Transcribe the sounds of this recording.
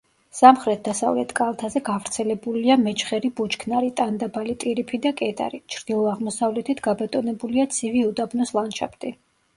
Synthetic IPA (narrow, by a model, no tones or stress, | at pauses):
samχɾɛt̪̚ʰd̪asa̰vlɛ̰t̪ʰkʼalˠt̪ʰazɛɡavɾt̪sʰɛlɛbuliamɛt͡ʃχɛɾibut͡ʃkʰnaɾit̪ʼand̪abalit̪ʼiɾipʰid̪akʼɛt̪ʼa̰ɾit͡ʃʰɾd̪̥ilˠɔaʁmɔsavlɛt̪ʰit̪ʰɡ̥abat̪ʼɔnɛbuliat̪sʰiviud̪ʼabnɔslˠanʃʰa̰pʰt̪ʼi